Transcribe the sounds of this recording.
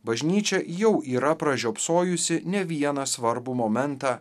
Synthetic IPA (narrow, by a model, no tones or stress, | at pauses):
bɐʒʲnʲiːt͡ʃʲɛjɛʊʔiːɾɐpɾɐʒʲoːpsoːjʊsʲɪnʲɛʋʲiɛnɐsʋɐɾbʊmoːmʲɛnt̪ɑː